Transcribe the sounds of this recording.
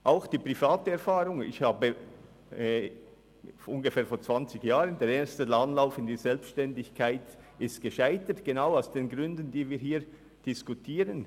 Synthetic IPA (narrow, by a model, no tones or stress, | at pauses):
ʔaʊxd̥iːpʁifaːtəɛɐɾfaːʁʊŋɪ̰çhaːbə | fʊnɡəfɛːfoːt͡sv̥ant͡sɪçjaːʁəndeːɾeːstəlanlaʊfɪnd̥iːzɛlpsʃtɛndɪçkʰaɪt | ɪstɡ̥əʃaɪtətɡ̥enaʊaʊsd̥eːnɡʁʏndən̩diːviːɦiːɾ | d̥ɪskutʰiːʁən